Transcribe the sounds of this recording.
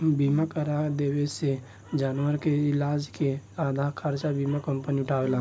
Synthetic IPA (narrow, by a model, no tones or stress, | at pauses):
biːmakəɾad̪eːwese | d͡ʒaːnwəɾkeɪlaːd͡ʒkeaːd̪ʱakʰəɾt͡ʃabiːmakə̃mpəniʊʈʰaːʋelaː